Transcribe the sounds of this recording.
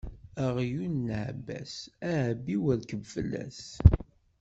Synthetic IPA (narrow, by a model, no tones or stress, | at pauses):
æʁjunːʕbæ̰sæʕəbiwəlkəvfəlːæ̰s